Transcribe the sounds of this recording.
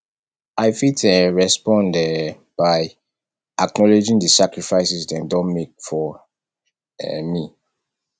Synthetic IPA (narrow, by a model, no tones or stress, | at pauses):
aɪfitɛɹɛspɔ̃ndɛ | b̥aɪ | ʔak̚nɔled͡ʒĩŋdəsakɹifaɪsisdɛ̃ndɔ̃nmek̚fɔ | ɛmi